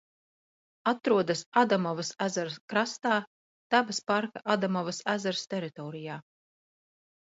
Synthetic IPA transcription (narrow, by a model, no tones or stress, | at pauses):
at̪ɾuɔd̪asad̪amɔvasæzaɾskɾast̪aː | t̪æbaspaɾkaʔad̪amɔvasæzaɾst̪eɾit̪ɔːɾijaː